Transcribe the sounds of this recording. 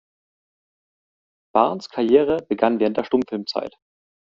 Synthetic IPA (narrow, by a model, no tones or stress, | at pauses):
b̥a̰ɐnskʰaɐjeːʁ̞əbəɡanvɛːʁəntdeːɐtʊmfɪlmt͡sa̰ɪt